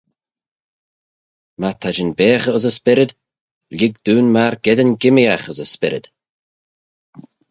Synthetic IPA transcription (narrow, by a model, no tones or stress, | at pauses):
mat̪ʰad͡ʒɪnbeːxəəzəspɪɾɪd̪ | ʎʲɪɡ̚d̪̥uːnmaɹɡ̥ɛd̪ənɡɪmiaxəzəspɪɾɪ̰d̪̥